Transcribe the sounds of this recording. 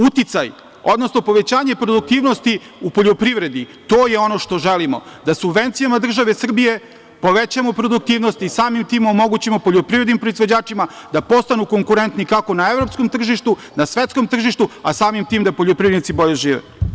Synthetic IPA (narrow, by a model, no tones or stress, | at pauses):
ut̪it̪saj | o̞̰d̪nosno̞po̞ʋe̞t͡ɕaːɲe̞pɾod̪uk̚t̪iːʋno̞st̪i | upo̞ʎopɾiʋɾe̞d̪it̪o̞ːjeo̞no̞ʃt̪oʒelimo̞̰d̪asubʋe̞nt̪sijamad̪r̩ʒaʋesr̩bije̞ | po̞ʋet͡ɕamo̞pɾo̞d̪uk̚t̪iːʋnost̪isaːmimt̪iːmomo̞ɡut͡ɕimopo̞ʎopɾivɾed̪nimpɾoizʋo̞d͡ʑaːt͡ʂimad̪apo̞st̪anuko̞ŋkuɾe̞nt̪nikako̞naevɾo̞psko̞mt̪r̩ʒiʃt̪u | nasʋet̪sko̞mt̪r̩ʒiʃt̪uasaːmimt̪iːmd̪apoʎopɾivɾenit̪ibo̞ʎeʒiːʋḛ